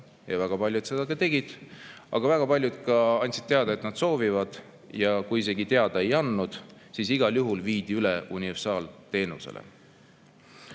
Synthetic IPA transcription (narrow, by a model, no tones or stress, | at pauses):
jɑvæɡ̥ɑpɑlʲjud̪̥se̞d̪̥ɑkɑt̪e̞ɡ̥id̪̥ʔɑ̰ɡ̥ɑvæɡ̥ɑpɑlʲjud̪̥kɑɑnʲt̪ʲsid̪̥̚t̪e̞ɑd̪ɑe̞t̪nɑd̪̥so̞ːvivɑd̪̥ | jɑkujis̬e̞ɡit̪e̞ɑd̪̥ɑe̞jɑnːud̪̥ | siːsiɡ̥ɑljuɦulviːd̪̥iyleʔunʲiversɑːlt̪e̞ːnuse̞̰lḛ